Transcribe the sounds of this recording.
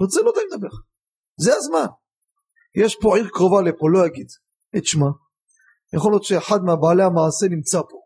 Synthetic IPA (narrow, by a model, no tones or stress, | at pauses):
ot͡selod̪ajmd̪abeʁ | zeazman | jeʃpo̞ʕiʁkʁovalepolo̞jaɡid̪ | et̪ʃma | jaχoljot̪ʃeːħad̪meabaːleamaʕːse̞nimt͡sapo̞